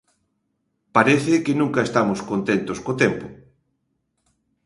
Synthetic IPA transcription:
paɾeθɪkenũŋkaest̪amoskont̪ent̪oskot̪ɛmpo

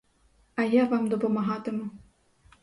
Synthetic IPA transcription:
ɐjavamd̪ɔpɐmaɦat̪ɨmu

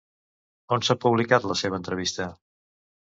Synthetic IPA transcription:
onsapuβlikat̪ləseβənt̪ɾəβ̞ist̪ə

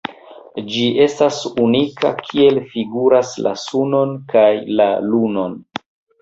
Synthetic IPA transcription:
d͡ʒie̞stasunikʰa̰kʰie̞lfiɡuɾasla̰suno̞nkajlaluno̞n

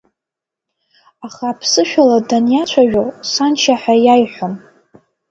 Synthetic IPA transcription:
aχaːpʰsɨʃᶣaladanjat͡ʃʷʰaɥᶣosant͡ʃʰaħajajħʷom

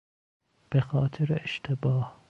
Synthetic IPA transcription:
b̥exɒːt̪ʰeɾeʃt̪ʰebɒːh

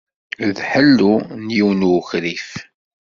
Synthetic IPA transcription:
ðħəlːunjiwnuxɾif

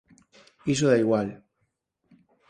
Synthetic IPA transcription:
is̬oðaiɣwal

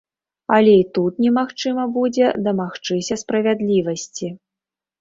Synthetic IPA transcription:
ɐlʲɛit̪ut̪nʲɛmaxt͡ʂɨmɐbud͡zʲɛd̪ɐmaxt͡ʂɨsʲɐspɾɐvʲad̪lʲivɐsʲt͡sʲi

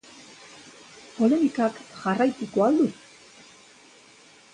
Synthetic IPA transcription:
po̞le̞mikakʝarajt̪ikoald̪u

